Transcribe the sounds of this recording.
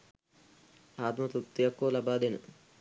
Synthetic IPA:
aːt̪mɐt̪ut̪ːijakːoːlabaːd̪enə̰

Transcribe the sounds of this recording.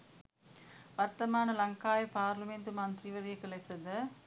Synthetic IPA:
ʋɐɾt̪ːɐmaːnɐlɐŋkaːjɐpaːɾlɐmeːnd̪ɯmaːnd̪ɾiʋɐɾɪjɐkːɐlɐsɐd̪ɐ

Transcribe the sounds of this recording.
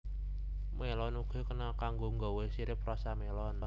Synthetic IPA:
melɔnukʰe̤kənakaŋɡoŋɡɔwesiɾɪp̚rɔsamelɔn

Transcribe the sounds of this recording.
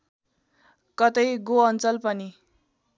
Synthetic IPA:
kʌt̪ʌjɡoʌnt͡sʌlpʌni

